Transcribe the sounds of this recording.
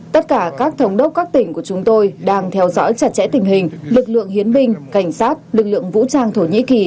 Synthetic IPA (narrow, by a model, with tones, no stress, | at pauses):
t̪ə˦˥t̚kaː˧˩kaː˦˥k̚t̪ʰə˨˦wŋ͡mɗə˦˥wk͡p̚kaː˦˥k̚t̪ï˧˩ŋ̟ku˧˩ət͡ɕʊ˨˦ŋ͡mt̪o˧jɗaː˧ŋt̪ʰɛ˧wzɔ̰ː˧˥jt͡ɕa˨˧˩t̚t͡ɕɛ̰˧˥t̪ï˨˩ŋ̟ɦhï˨˩ŋ̟lɨ˨˩k̚lɨ̰˧˨əŋhi˨˦ənɓï˧ŋ̟ka˧˩jŋ̟saː˦˥t̚lɨ˨˩k̚lɨ̰˧˨əŋvṵ˧˥t͡ɕaː˧ŋt̪ʰo˧˩ɲḭ˧˥ki˨˩